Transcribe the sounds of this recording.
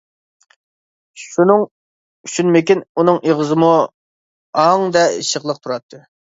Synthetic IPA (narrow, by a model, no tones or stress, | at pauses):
ʃunɨŋ | yʃynmɪkʲinunɨŋeʁəzɨmu | ɑŋd̪ɛḭʃəχlˠəq̚t̪ʰuɾɑt̪ʰːɨ